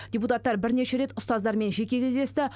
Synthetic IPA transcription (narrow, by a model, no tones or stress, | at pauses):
d̪ʲeput̪at̪ːɑɾbɪɾne̞ʃe̞ɾe̞t̪ʊst̪ɑzd̪ɑɾme̞nʒe̞kʲe̞kʲʰe̞zd̪e̞st̪ɪ